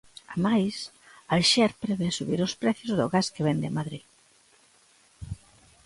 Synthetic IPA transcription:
amajs | alʃɛɾpɾɛβesuβiɾʊspɾɛθjʊzðʊɣaskeβɛnd̪ɪmaðɾi

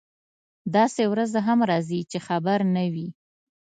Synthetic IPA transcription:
d̪ɑsewɾazaɦamɾɑzit͡ʃexabaɾnawi

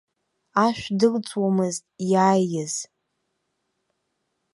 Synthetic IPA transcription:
aʃʷᶣdɨlt͡sʼwamɨztʼjaːjːɪz̥

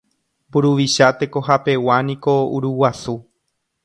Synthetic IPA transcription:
mbuɾuʋiʃat̪e̞ko̞ɦape̞wanĩko̞uɾuwasu

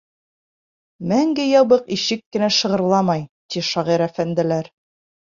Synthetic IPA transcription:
mæŋɡɘjɑβɤqiʃɘkːɘ̆næʃɤ̆ʁɤ̆ɾlˠɑmɑjt̪iʃɑʁiɾæfænd̪ɘ̆læɾ

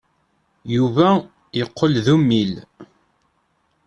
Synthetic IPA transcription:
juvæ | jəqʰːəlðumːil

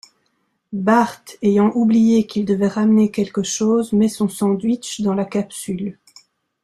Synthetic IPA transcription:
baʁt̪ejɑ̃ʔublijekild̪əvɛʁamnekʲɛlkəʃoːzmɛsɔ̃sɑ̃d̪ɥit͡ʃd̪ɑ̃lakapsyl

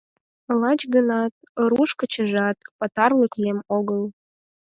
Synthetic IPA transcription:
lɑt͡ɕɡənɑt̪̚əɾuʃkə̆t͡ɕə̆ʒɑt̪pɑt̪ɑrləklʲemoɣəlˠ

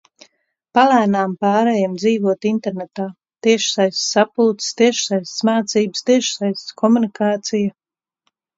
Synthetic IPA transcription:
palæːnaːmpaːɾɛjamd̪ziːvuɔt̪int̪ɛɾnɛt̪aː | t̪iɛʃsajst̪sapult̪st̪iɛʃsajssmaːt̪siːbst̪iɛʃsajst̪skʰɔmunikaːt̪sijɐ

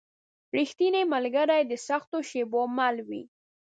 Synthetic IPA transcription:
ɾixt̪inemalɡaɾajd̪əsaxt̪oʃebomalwḭ

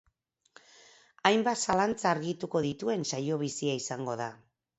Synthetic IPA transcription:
ajmbat̪salant͡saːɾɣit̪uko̞ðit̪ue̞nsajo̞β̞isiaisaŋɡo̞ða

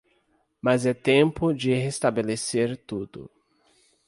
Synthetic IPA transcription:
mazɛt̪ẽpʊd͡ʒɪhest̪abeleseɾt̪ud̪ʊ̰

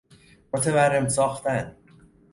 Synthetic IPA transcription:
mot̪ʰeværːemsɒːxt̪æn

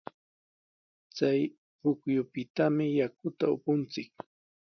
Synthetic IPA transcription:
t͡saj | pʊkjʊpɪt̪amɪjakʊt̪aʊ̰pʊnt͡sɪk̚

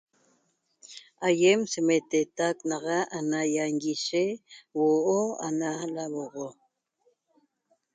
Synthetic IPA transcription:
ajemsemet̪et̪aknɑʁɑʔanajaŋɡiʃewoʔoa̰nalaβoʁo

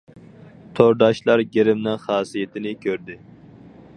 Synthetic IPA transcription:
t̪ʰoɾd̪ɑʃlˠɑɾɡʲeɾɪmnɨŋχɑːsijet̪ʰɪnɪkʲʰøɾd̪ɪ

